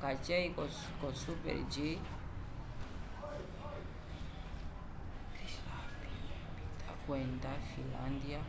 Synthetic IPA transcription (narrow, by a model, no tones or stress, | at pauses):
kat͡ʃeikɔ | kosupɛ̰ɾd͡ʒi | bit̪akwɛnt̪afila̰nd̪ja